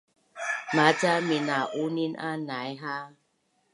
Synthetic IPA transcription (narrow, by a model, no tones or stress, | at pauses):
mat͡saminaʔuninʔa̰najɦa